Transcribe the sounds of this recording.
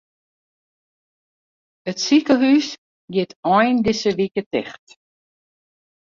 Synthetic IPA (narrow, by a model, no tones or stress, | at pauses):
ətsikəɦys | jɪtɔjndɪsəʋikətɪxt